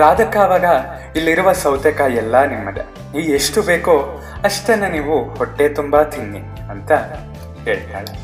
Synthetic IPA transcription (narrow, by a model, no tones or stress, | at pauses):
ɾaːd̪ʱɐkaːʋaːɡɐ | ilːiɾuʋɐsɐwt̪ɐkaːjɛlːɐnimːɐd̪e | iːeʂʈubeːkoː | ɐʂt̪enːɐniːʋuhoʈːe̞ːt̪umbaːt̪ʰinːi | ɐnt̪ɐ | heːɭit̪aːɭɐ